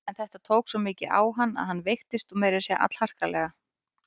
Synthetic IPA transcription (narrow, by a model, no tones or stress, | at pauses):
ɛnθɛht̪at̪ʰoːwksvɔmɪːcɪʔa̰ːwɦanːa̰ðhanːvejxt̪ɪst̪ɔmɛːɾɪsjɛa̰t̪l̥har̥kalɛɣa